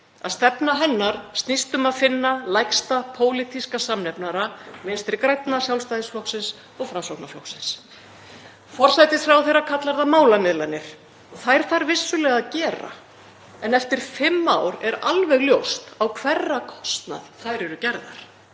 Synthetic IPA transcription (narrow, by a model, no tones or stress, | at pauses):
aðst̪ɛpnaɦɛnːaɾ̥st̪nist̪ʏmaðfɪnːalajkst̪apʰoːwlit̪ʰiskasamnɛpnaɾamɪnst̪ɾɪɾkɾajt̪nasjawlst̪ajðɪsflɔwksɪns | ɔɣfɾamsowknaflɔhksɪns | fɔr̥sajt̪ɪsfɾawθejrːakʰat̪laɾðamaːwlamɪðlanːɪɾ̥ | ɔθajɾ̥θaɾvɪsːʏlɛɣaðcɛːɾa̰ | ɛnɛft̪ɪɾ̥fɪmːaːwɾɛɾalvɛɣljowst̪awkʰvɛrːakʰɔ̥st̪na̰ðθajɾɛɾʏcɛɾða̰ɾ̥